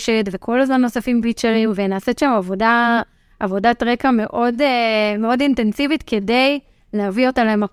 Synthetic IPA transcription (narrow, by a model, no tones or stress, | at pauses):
ʃetvekʰolazmanːo̞safimfit͡ʃeʁimvenaːsetʃamavo̞da | ʔːvo̞datʁekame̞ʔo̞demeo̞dintensivitke̞de̞j | leavio̞tamlaema